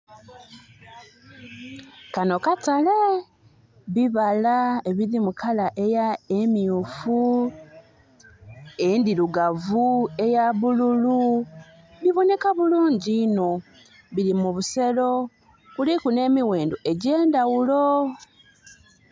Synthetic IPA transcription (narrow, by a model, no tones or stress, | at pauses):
kano̞katale | βiβalaeβiɾimukʰalaʔe̞jaemiufu | endiɾuɡavue̞jaβululu | βiβo̞ne̞kaβuluːɲɟiːno̞ | βiɾimuβuse̞lo̞ | kulikune̞ːmiwe̞ːndoʔe̞ɟe̞ːndawulo̞